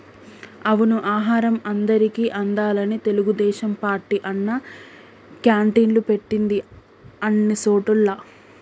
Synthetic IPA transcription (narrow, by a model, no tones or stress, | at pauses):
ɐʋunuʔaːɦaːɾɐmɐnd̪ɐɾikiːʔɐnd̪aːlɐnit̪e̞luɡud̪ɛːʃɐmpaːɾʈiʔɐnːɐ | kjaːɳʈiːnlupe̞ʈːind̪i | ɐnːisoːʈulːɐ